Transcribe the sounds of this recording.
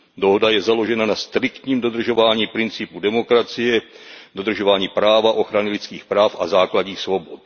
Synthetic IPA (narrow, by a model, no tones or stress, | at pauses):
doɦodajɛzalo̞ʒɛnanast̪ɾɪkt̪ɲiːmdo̞d̪r̩ʒo̞vaːɲiːpɾɪnt͡sɪpudɛmo̞kɾat͡sɪjɛdo̞d̪r̩ʒovaːɲiːpɾaːvaʔo̞xɾanɪlɪt͡skiːxpɾaːfʔazaːklaɟɲiːxsvo̞bot̪